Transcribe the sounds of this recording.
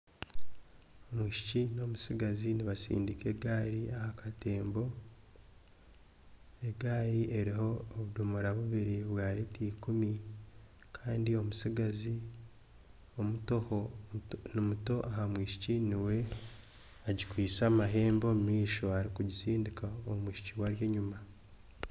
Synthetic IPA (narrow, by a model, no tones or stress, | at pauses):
omwiːʃi̥cino̞musiɡaziniβasḭːndike̞ɡaɾiahakʰate̞ːmbo̞ | eɡaːɾiʔeɾiɦo̞ːβudumuɾaβuβiɾiβwaːɾetiːkumi | kʰaːndio̞musiɡazi | omutohonimuto̞ʔaɦamwiːʃi̥ciniwe̞ | aɟikwiːsamaɦe̞ːmbo̞miːʃo̞aɾikuɟisiːndikaomwiːʃi̥ciwaɾje̞ɲuma